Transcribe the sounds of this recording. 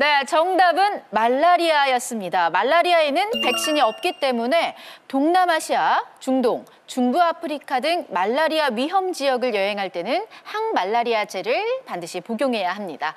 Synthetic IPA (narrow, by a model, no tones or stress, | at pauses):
ne̞t͡ɕʌŋdabɯnmaɭːaɾiajʌs͈ɯmɲidamaɭːaɾiae̞nɯnpe̞k̚ɕ͈iɲiʌp̚k͈it͈e̞mune̞toŋnamaɕʰiat͡ɕuŋdoŋ | t͡ɕuŋbuapʰɯɾikʰadɯŋmaɭːaɾiaɥiɦʌmd͡ʑiʌɡɯɭjʌɦe̞ŋɦaɭt͈e̞nɯnhanmaɭːaɾiad͡ʑe̞ɾɯɭpandɯɕʰipoɡjoŋɦe̞jaɦamɲida